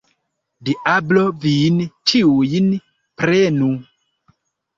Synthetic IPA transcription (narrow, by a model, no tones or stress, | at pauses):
diʔablovint͡ʃiujn | pɾenu